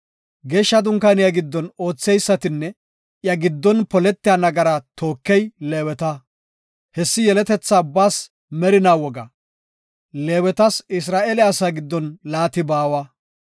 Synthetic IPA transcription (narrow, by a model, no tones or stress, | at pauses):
ɡeːʃːɐd̪ʊŋkɐnɪjɐɡɪd̪ːɔno̞ːt͡sːɛjsːɐt̪ɪnːɛ | jɐɡɪd̪ːɔnpɔlɛt̪ːɪjɐnɐɡɐɾɐt̪ʰo̞ːkːɛjleːwɛt̪ɐ | hɛsːɪjɛlɛt̪ɛt͡sːaːbaːs | mɛɾɪnaːwɔɡɐ̰ | le̞ːwɛt̪ɐsɪs̬ɾaːʔeːlɛɐsaːɡɪd̪ːɔnlaːt̪ɪbaːwɐ